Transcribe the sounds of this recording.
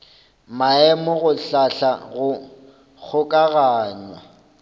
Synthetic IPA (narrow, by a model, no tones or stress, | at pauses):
maɛmʊɣʊɬaɬaɣʊ | k͡xʰʊkʼaɣaːɲwa